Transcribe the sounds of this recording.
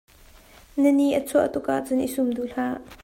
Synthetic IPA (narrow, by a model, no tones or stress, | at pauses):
nəniʔət͡sʰuəʔt̪ʊkʔaʔt͡sʊnʔisʊmduɬaːʔ